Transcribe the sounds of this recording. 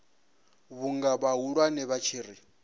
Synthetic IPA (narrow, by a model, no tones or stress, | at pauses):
βuŋɡaβaɦuɺwanɛβat͡ʃʰiːɾi